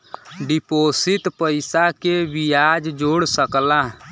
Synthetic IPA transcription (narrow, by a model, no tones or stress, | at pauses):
ɖiposit̪pəɪsakebijad͡ʒd͡ʒoɽsəkla